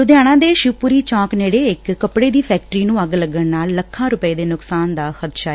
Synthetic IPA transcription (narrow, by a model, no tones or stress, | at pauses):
ʊd̪jaːɽ̃ãːd̪eːʃuːpuːɾiːt͡ʃɔ̃ːkneːɽeːɪkːəpɽeːd̪iːpʰɛːk̚ʈɾiːnũːəɡləɡəɳnaːlːəkʰːãːɾʊpəeːd̪eːnʊksaːnd̪aːxəd̪ʃaː